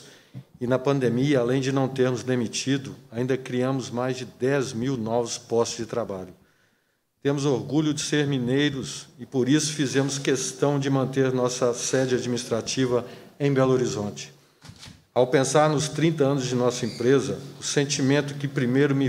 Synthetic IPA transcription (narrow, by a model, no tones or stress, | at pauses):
ɪnɐpɐ̃nd̪emiɐalẽj̃d͡ʒɪnɐ̃w̃t̪eɾmʊzd̪emit͡ʃid̪ʊaĩd̪ɐkɾiɐ̃mʊzmajzd͡ʒɪd̪ɛzmiwnɔvʊspɔst͡ʃʊzd͡ʒɪt̪ɾabaʎʊ | t̪ẽmʊzoɾɡuʎʊd͡ʒɪseɾmĩnejɾʊsɪpoɾisʊ̥fizẽmʊskest̪ɐ̃w̃d͡ʒɪmɐ̃nt̪eɾnɔsɐsɛd͡ʒɪad͡ʒminist̪ɾat͡ʃivɐẽj̃bɛloɾizõt͡ʃɪ̥ | awpẽsaɾnʊst̪ɾĩnt̪ɐɐ̃nʊzd͡ʒɪnɔsɐẽpɾezɐʊsẽnt͡ʃimẽnt̪ʊkɪpɾimejɾʊmi